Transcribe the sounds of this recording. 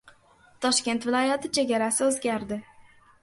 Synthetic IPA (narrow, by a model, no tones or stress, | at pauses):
t̪ʰɒʃkʲe̞nt̪vɪlˠɒjat̪ʰɪt͡ʃʰe̞ɡʲaɾasɪɵzɡʲaɾd̪ɪ